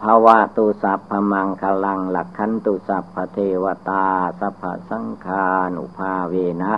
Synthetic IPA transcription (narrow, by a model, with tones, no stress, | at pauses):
pʰa˧wa˧t̪uː˧sa˨pʰːa˧ma˧ŋkʰa˧la˧ŋla˨˩kʰːa˧˥nt̪uː˧sa˨˩pʰːa˧t̪ʰe˧wa˧t̪aː˧sa˧pʰa̰˧sa˧˥˦ŋkʰaː˧nʔṵ˧˨pʰaː˧weː˧na˦˥ʔ